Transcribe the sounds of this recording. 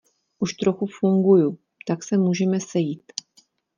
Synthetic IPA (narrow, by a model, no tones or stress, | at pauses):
ʔuʃt̪ɾo̞xufuŋɡuju | t̪aksɛmuːʒɛmɛsɛjiːt̪